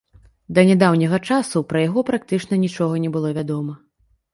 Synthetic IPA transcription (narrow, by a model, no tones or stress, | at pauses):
d̪ɐnʲad̪awnʲɐɣɐt͡ʂasupɾɐjaɣɔpɾak̚t̪ɨt͡ʂnɐnʲit͡ʂɔɣɐnʲɛbɨlˠɔvʲad̪ɔmɐ